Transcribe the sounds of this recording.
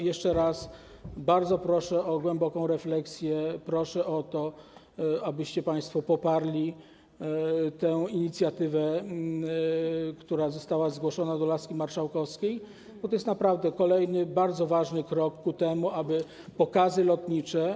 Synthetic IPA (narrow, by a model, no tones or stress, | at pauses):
jɛʂt͡ʂɛɾas | baɾd̪zɔpɾɔʂɛɔɡwɛmbɔkɔ̃w̃ɾɛflɛksʲjɛpɾɔʂɛʔɔt̪ɔ | abɘɕt͡ɕɛpaj̃st̪fɔpɔpaɾlʲi | t̪ɛwiɲit̪sʲjat̪ɘvɛ | kt̪uɾazɔst̪awazɡwɔʂɔnad̪ɔlaskʲimaɾʂawkɔfskʲej | b̥ɔt̪ɔjɛst̪napɾavd̪ɛkɔlɛjnɘbaɾd̪zɔvaʐnɘkɾɔkːut̪ɛmuabɘ | pɔkazɘlɔt̪ɲit͡ʂɛ